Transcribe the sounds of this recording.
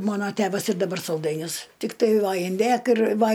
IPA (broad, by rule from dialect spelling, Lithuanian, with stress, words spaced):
ˈmɑːnoː ˈtʲæːʋɐs ɪr dɐˈbɐr sɐlˠˈdɐɪnʲʊs ˈtʲɪktɐɪ ˈʋɐ ɪnʲˈdʲeːk ɪr ˈʋɐ